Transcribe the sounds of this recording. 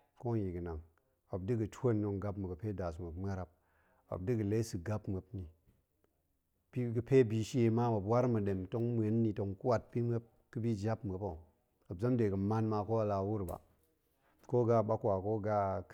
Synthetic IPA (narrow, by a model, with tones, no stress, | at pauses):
ko˦ji˨ɡə˨na˨ŋ | a˨b̚dɨ˦ɡɨ˨to˦˨nːo˨ŋɡa˦pmu˨ɡɨ˨pe˦da˨s̬mə˨pm˦a˦ɾa˨p̚ | a̰˨b̚dɨ˦ɡə˨le˦sɨ˨ɡa˦pmə˨pni˨ | pi˦ɡɨ˨pe˦bi˨ʃe˨ma˦ma˨pwa˦ɾmɨ˨ɗe˨mto˦ŋm˨e˨˦nː˦i˨to˨ŋku˦wa˨t̚pi˦m˦e˦p̚ | kɨ˦bi˦d͡ʒa˦pm˨ə˨po˨ | a˨bza˦mde˨ɡɨ˨ma˦nma˧ko˦a˨la˨˦wu˦ɾba̰˨ | ko˦ɡa˦˨ɓa˦kwa˨ko˦ɡa˦